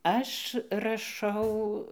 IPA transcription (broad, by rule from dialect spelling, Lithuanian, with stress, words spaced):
ˈɐʃ rɐˈʃɐʊ